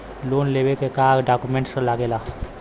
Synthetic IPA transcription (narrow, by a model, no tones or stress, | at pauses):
lonlebekekaɾɖakumẽɳʈsə̃laɡela